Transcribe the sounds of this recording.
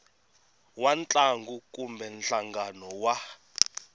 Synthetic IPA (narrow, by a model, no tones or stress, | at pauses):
want͡ɬʼaŋɡuk̬ʼumbɛnɬaŋɡanɔwa